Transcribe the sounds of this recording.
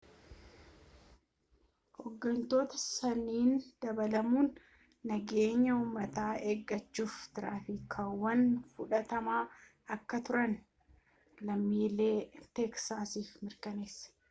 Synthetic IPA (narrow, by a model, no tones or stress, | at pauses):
hɔɡːɐnt̪o̞ːt̪ɐ̥sɐnːiːnd̪̥ɐbɐlɐmuːnː | ɐɡe̞ːɲːɐuːmːɐt̪aːeːɡːɐt͡ʃːuːft̪ɪɾaːfɪkʰɐwːɐnfʊᶑɐt̪ɐmaː | ɐkːɐt̪ʊɾɐn | lɐmːiːlːeːt̪ɛksaːsiːfmɪɾkɐneːsːɐ̥